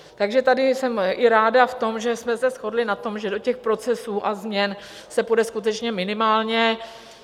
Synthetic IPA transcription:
t̪aɡʒɛt̪adɪsɛmʔɪɾaːdaft̪o̞mʒɛsmɛsɛsxo̞dlɪnat̪o̞mʒɛdocɛxpɾo̞t͡sɛsuːʔazmɲɛn | sɛpudɛskut̪ɛt͡ʃɲɛmɪnɪmaːlɲɛ

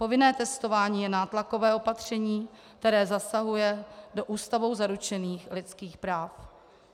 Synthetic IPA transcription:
po̞vɪnɛːt̪ɛst̪o̞vaːɲiːjɛnaːt̪lako̞vɛːo̞pat̪r̝̥ɛɲiː | k̚t̪ɛɾɛːzasaɦujɛdo̞ʔuːst̪avowzaɾut͡ʃɛniːxlɪt͡skiːxpɾaːf

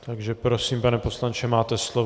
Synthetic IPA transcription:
t̪aɡʒɛpɾosiːmpanɛpo̞slant͡ʃɛmaːt̪ɛslo

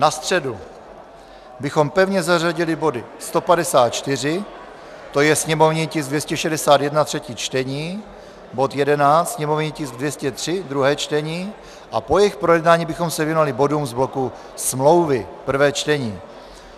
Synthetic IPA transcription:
nast̪r̥ɛdu | bɪxo̞mpɛvɲɛzaraɟɪlɪbo̞dɪ | st̪o̞padɛsaːt̪̚t͡ʃt̪ɪr̝ɪ | t̪o̞jɛsɲɛmo̞vɲiːcɪsɡdvjɛscɛʃɛdɛsaːt̪jɛdnat̪r̝̥ɛciːt͡ʃt̪ɛɲiː | bo̞t̪jɛdɛnaːt̪sɲɛmo̞vɲiːcɪsɡ̚dvjɛscɛt̪r̝̥ɪd̪ɾuɦɛːt͡ʃt̪ɛɲiː | ʔapo̞jɛxpɾojɛdnaːɲiːbɪxo̞msɛvjɛnalɪbo̞dumzblo̞ku | smlo̞wvɪpr̩vɛːt͡ʃt̪ɛɲiː

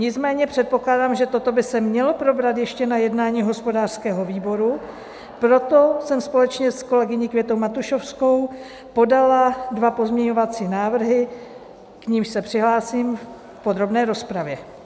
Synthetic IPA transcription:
ɲɪt͡smɛːɲɛpr̥ɛt̪̚po̞klaːdaːmʒɛt̪ot̪o̞bɪsɛmɲɛlo̞pɾo̞bɾat̪jɛʃcɛnajɛdnaːɲiːɦo̞spo̞daːr̥skɛːɦo̞viːbo̞ɾu | pɾo̞t̪o̞sɛmspo̞lɛt͡ʃɲɛsko̞lɛɡɪɲikvjɛt̪owmat̪uʃofsko̞w | po̞daladvapo̞zmɲɛɲo̞vat͡siːnaːvr̩ɦɪ | kɲimʃsɛpr̝̥ɪɦlaːsiːmf | pod̪ɾo̞bnɛːɾo̞spɾavjɛ

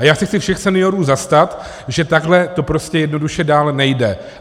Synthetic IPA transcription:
ajaːxsɛxt͡sɪfʃɛxsɛnɪjoɾuːzast̪at̪ | ʒɛt̪aɡɦlɛt̪o̞pɾo̞scɛjɛdnoduʃɛdaːlnɛjdɛ

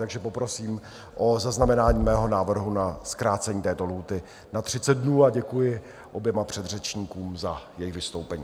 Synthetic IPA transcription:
t̪aɡʒɛpo̞pɾo̞siːm | ʔozaznamɛnaːɲiːmɛːɦo̞naːvr̩ɦunaskɾaːt͡sɛɲiːt̪ɛːt̪o̞luːt̪ɪ | nat̪r̝̥ɪt͡sɛd̪̚dnuːaɟɛkujɪ | ʔo̞bjɛmapr̝̥ɛd̪rɛt͡ʃɲiːkuːmzajɛjɪɣvɪst̪o̞wpɛɲiː

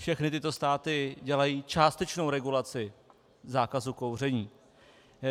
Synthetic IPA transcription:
fʃɛxnɪt̪ɪt̪ost̪aːt̪ɪɟɛlajiːt͡ʃaːst̪ɛt͡ʃnowɾɛɡulat͡sɪ | zaːkazukowr̝ɛɲiː

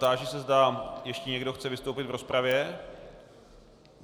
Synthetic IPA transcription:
t̪aːʒɪsɛzdajɛʃcɛɲɛɡdo̞xt͡sɛvɪst̪owpɪd̪vɾo̞spɾavjɛ

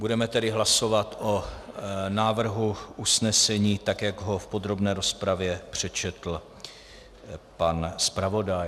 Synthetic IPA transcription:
budɛmɛt̪ɛdɪɦlaso̞vat̪ʔo̞ | naːvr̩ɦuʔusnɛsɛɲiːt̪akjaɡɦo̞fpo̞d̪ɾo̞bnɛːɾo̞spɾavjɛpr̝̥ɛt͡ʃɛt̪l̩ | panspɾavo̞daj

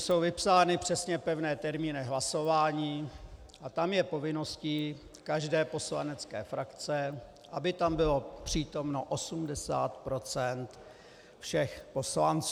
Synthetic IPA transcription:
so̞wvɪpsaːnɪpr̥ɛsɲɛpɛvnɛːt̪ɛɾmiːnɪɦlaso̞vaːɲiː | ʔat̪amjɛpo̞vɪno̞sciː | kaʒdɛːpo̞sla̰nɛt͡skɛ̰ːfɾʔakt͡sɛ | ʔabɪt̪ambɪlo̞pr̝̥iːt̪o̞mno̞ʔosumdɛsa̰ːt̪pɾo̞t͡sɛnt̪ | fʃɛxpo̞slant͡sː

